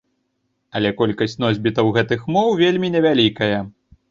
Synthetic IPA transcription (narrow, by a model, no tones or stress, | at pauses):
ɐlʲɛkɔlʲkɐsʲt͡sʲnɔzʲbʲit̪ɐwɣɛt̪ɨxmɔwvʲelʲmʲinʲɛvʲalʲikɐjɐ